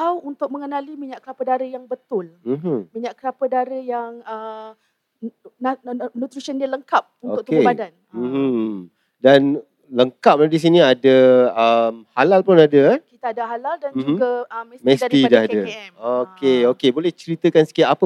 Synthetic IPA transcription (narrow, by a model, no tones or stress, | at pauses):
awunt̪ʊk̚məŋənalimiɲaʔkəɾapədaɾəjaŋbət̪ʊlm̩ɦ̩miɲaʔkəɾapədaɾəjaŋə | nnut̪ɾisəndiələŋkap̚unoʊk̚tk̪ebadan | m̩h̩ | dan | ləŋkap̚ladis̬iniadaəmhalalpʊnadəkit̪aːdaɦalaldand͡ʒuɡaəmsmɛ̃st̪iadahadaɛokeokebolɛht͡ʃəɾit̪əkansə̥kiat̪apə